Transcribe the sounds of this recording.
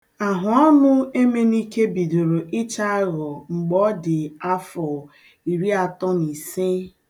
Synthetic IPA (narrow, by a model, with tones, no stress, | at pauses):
a˨ɦʊ˨ɔ˦nʊ˦e˦me˦ni˦ke˦bi˨do˨ɾo˨ʔɪ˦t͡ʃa˦ɣɔ˨ŋ͡m̩˨ɡ͡bɔ˦dɪ˨a˦fɔ˨ | i˨ɾi˦a˨tɔ˦ni˨se˦